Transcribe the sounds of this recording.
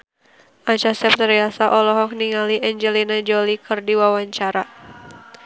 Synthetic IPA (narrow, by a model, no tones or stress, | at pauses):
ʔat͡ʃasɛp̚t̪əɾiasaʔɔlɔɦɔk̚niŋaliʔɛɲd͡ʒɛlinad͡ʒolikɨrdiwawaɲt͡ʃaɾa